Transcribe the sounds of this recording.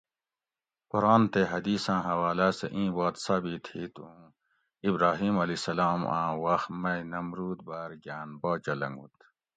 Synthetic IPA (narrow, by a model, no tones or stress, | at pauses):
koɾaːnt̪eɦɐd̪iːsãːɦɐwaːlasḛʔĩːbaːt̪saːbit̪hiːt̪ũ | ibɾaːɦiːmɐlisɐlaːmã̰ːwɐxmɐinɐmɾuːd̪̚baːɾɡaːnbaːd͡ʑɐlɐ̰ŋɡṵt̪